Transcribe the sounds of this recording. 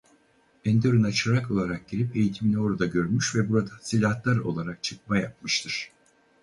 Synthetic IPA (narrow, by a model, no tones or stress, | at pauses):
ɛnd̪eɾunat͡ʃʰaɾako̞lˠaɾak̚ɟiɾipe̞jit̪ʰiminɛo̞ɾad̪aɟø̞ɾmyʃvɛbuɾad̪asilʲat̪lˠaɾo̞̰lˠaɾak̚t͡ʃʰɯk̚majap̚mɯʃt̪ʰɯɾ̥